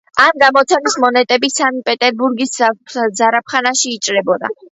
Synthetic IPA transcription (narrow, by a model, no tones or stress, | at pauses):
amɡamɔt̪sʰɛnismɔnɛt̪ʼɛbisamipʼɛt̪ʼɛɾbuɾɡiszaɾap̚ʰχanaʃiːt͡ʃʼɾɛbɔd̪a̰